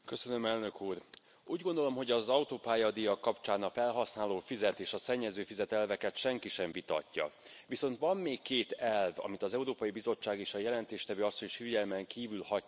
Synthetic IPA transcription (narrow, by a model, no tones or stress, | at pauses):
kø̞sø̞nø̞mɛlnø̞kuːr | uːɟɡo̞nd̪o̞lo̞mɦo̞ɟɒzɒut̪oːpaːjɒd̪ijɒkːɒpt͡ʃaːnɒfɛlɦɒsnaːloːfizɛt̪eːʃɒsɛɲːɛzøːfizɛt̪ɛlvɛkɛt̪ʃɛŋkiʃɛɱvit̪ɒ̰cːɒ̰ʋiso̞nt̪ʋɒmːeːkːeːt̪ɛlvɒ̰mit̪ɒzɛuɾoːpɒjibizo̞t͡ʃːaːɡeːʃɒjɛlɛnt̪eːʃt̪ɛvøːɒsːo̞ɲʃiɟɛlmɛŋkiːvylhɒ